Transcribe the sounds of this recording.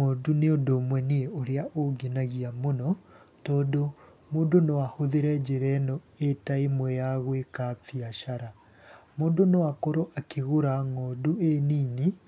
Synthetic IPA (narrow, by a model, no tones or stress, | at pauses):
moduneondomwɛnieoɾeaʔoɡenaɣiamonɔ | tɔːdo | moːndonowahoðeɾɛd͡ʑeɾɛnɔ | etaemwɛjaɣwekafiaʃaɾa | moːndonowakoɾoʔakeɣoɾaŋɔdueniːni